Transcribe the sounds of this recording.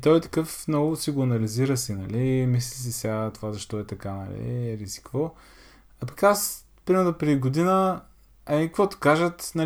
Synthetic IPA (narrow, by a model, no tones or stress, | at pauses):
t̪ɔjt̪ɐ̥kɤfnɔɡʊsiɡʊɐnɐliziɾəsinɐlimislisisʲat̪ovazɐʃt̪ɔɛt̪ɐkanɐ̰lḭɾizi̥kvɔ | ɐpɐ̥kas | pɾimɛɾnopɾɛd̪iɡod̪inə | ɐmikkvɔt̪o̥kaʒət̪nɐ